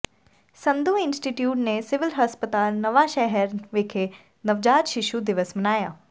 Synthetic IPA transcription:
sɐ̃nd̪uːɪnsʈiːʈjuːʈnesɪʋɪlɦəspət̪aːlnɐʋaʃɛɦɛɾʋɪkʰe | nɐʋd͡ʒaːd͡ʒʃɪʃud̪ɪʋəsmɐnaːjaː

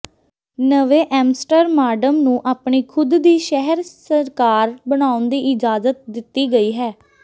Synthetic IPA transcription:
nəʋeːʔɛːmsʈəɾmaːɖəmnũːʔaːpɳiːkʰʊd̪d̪iːʃɛɦəɾsəɾkaːɾbəɽ̃aːʊnd̪iːʔɪd͡ʒaːzət̪̚d̪ɪt̪ːiːɡəiːɦɛː

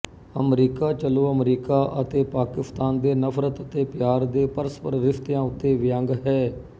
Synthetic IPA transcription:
əmɾiːkaːt͡ʃəloːəmɾiːkaːʔət̪eːpaːkɪst̪aːnd̪eːnəpʰɾət̪ət̪eːpɪjaːɾd̪eːpəɾəspəɾɾɪft̪jãːʊt̪ːeːʋɪjə̃ŋɡɦɛː

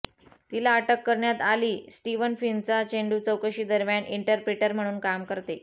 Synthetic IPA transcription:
t̪ilaːʈəkːəɾɳjat̪aliːsʈiʋənfint͡sat͡ɕeɳɖuːt͡səwkəɕiːd̪əɾmjaɳʔiɳʈəɾpɾeʈəɾm̤əɽ̃uːnkamkəɾt̪e

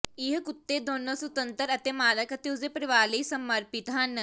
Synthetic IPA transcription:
ɪɦkʊt̪ːeːd̪oːnːõːsʊt̪ənt̪əɾət̪eːmaːləkət̪eːʊseːpəɾɪʋaːleiːsəməɾpɪt̪ɦɐn

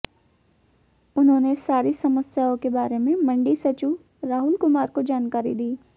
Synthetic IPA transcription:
ʊnɦõːnesaːɾisɐməsjaːõkebaːɾemẽmɐ̃ɳɖisɐt͡ʃu | ɾaːɦʊlkʊmaːɾkod͡ʒaːnkaːɾḭd̪iː

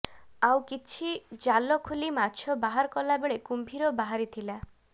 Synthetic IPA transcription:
awkit͡ʃʰid͡ʒalɔkʰulimat͡ʃʰɔbaɦaɾɔkɔlabeɭekumbʱiɾɔbaɦaɾit̪ʰila

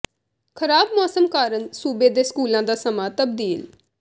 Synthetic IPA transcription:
kʰəɾaːb̚mɔːsəmkaːɾənsuːbeːd̪eːskuːlãːd̪aːsəmaːt̪əbd̪iːl

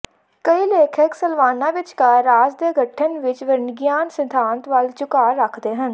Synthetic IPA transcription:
kəiːleːkʰəksəlʋaːnãːʋɪt͡ʃkaːɾaːd͡ʒd̪eːɡəʈʰːənʋɪt͡ʃʋəɾnɡjaːnsɪd̪ʱãːnt̪ʋəlt͡ʃʊkaːɾəkʰd̪eːɦən

